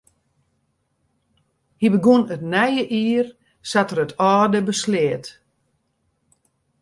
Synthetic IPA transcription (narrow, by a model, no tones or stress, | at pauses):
hibəɡunətnɛjəʔiːr | satəɾətʰɔːdəbəsleːt